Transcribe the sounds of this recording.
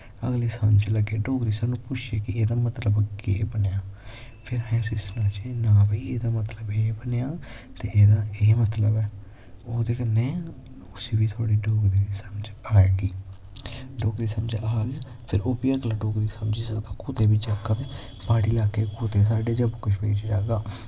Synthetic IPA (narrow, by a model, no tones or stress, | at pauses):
ə̰ɡliːsənt͡ʃləɡeːɖoːkɾiːsaːnːũːpʊt͡ʃʰeːkɪeːd̪aːmət̪ləbɡḛːbənjaː | pʰɪɾɦɛ̃ːsɪsnãːt͡ʃenaːbiːeːd̪aːmət̪ləbeːbənjaːt̪eːʔeːd̪aːeːmət̪ləbɛː | oːd̪eːkənɛ̃ː | ʊsiːbiːt̪ʰaːɽiːɖoːkɾiːsəməd͡ʒaːeɡiː | ɖoːkɾiːsəmd͡ʒaːɡ | pʰɪɾoːpijaːkəlãːɖoːkɾiːsəmd͡ʒiːsəkt̪aːkuːt̪eːbiːt͡ʃakːaːt̪eː | baːɽiːlaːkeːkuːt̪eːs̬aːɖeːd͡ʒəbkʊʃpeːt͡ʃd͡ʒaːɡaː